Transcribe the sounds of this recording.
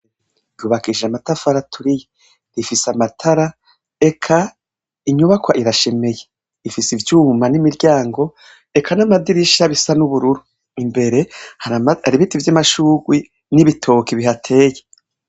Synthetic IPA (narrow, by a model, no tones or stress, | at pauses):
juβakiʒeamatafaɾatʰuɾije | ɾifisamatʰaɾa | e̞kʰa | iɲuβakwaʔiɾaʃe̞me̞je | ifisivjuːmanimiɾɟaːŋɡo̞ | e̞kʰanamadiɾiʃaβisanuβuɾuɾu | imbe̞ɾe̞haɾiβitivjamaʃuːɡwi | niβitʰo̞kiβiɦatʰe̞ːje